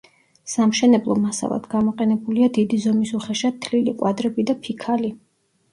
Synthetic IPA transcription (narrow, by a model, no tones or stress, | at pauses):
samʃɛnɛblˠɔmasa̰lˠa̰d̪̥ɡamɔqʼɛnɛbuliad̪id̪izɔmisuχɛʃat̪ʰlilikʼwad̪ɾɛbid̪apʰikʰali